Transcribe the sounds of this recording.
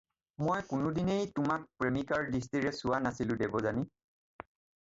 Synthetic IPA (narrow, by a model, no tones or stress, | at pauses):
mojkʊnʊdinejtʊmak̚pɹemikaɹdis̬tiɹɛsʊwanasilʊ̃debɔzani